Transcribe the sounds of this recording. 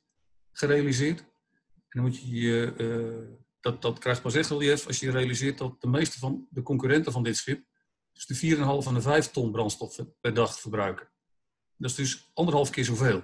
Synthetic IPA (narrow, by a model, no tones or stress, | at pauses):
χərejalizɪːt | ɛndɔnmutjəjə | d̥dɔtkrɛjxt̚pɑs̬ɛxtɛlˠjɛfɑ̰sjəjərejalizɪːrt̚dɔt̚dəmejstəvɔndəkɔŋkyɾɛntəvɔndɪtsχɪp̚ | d̥sdəfiːəɾɛnɦɑlˠəfanəvɛjftɔnbrɑntstɔfəpɛrdɑχfərbrœɥkə | dɔsdɵsɑndərɦɑlˠfkɪːzoveːlˠ